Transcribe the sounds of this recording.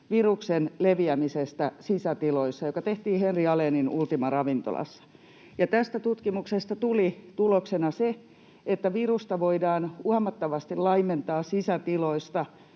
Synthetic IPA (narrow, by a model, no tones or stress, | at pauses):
ʋiruksenleʋiæmisest̪æsisæt̪iloisːɑjokɑt̪eht̪iːhenriɑleninult̪imɑrɑʋint̪o̰lɑ̰sːɑ̥ | jɑt̪æst̪æt̪ut̪kimuksest̪ɑt̪ulit̪uloksenɑse | et̪ːæʋirust̪ɑʋoidɑːnuɑmɑt̪ːɑʋɑst̪ilɑiment̪ɑːssisæt̪iloist̪ɑ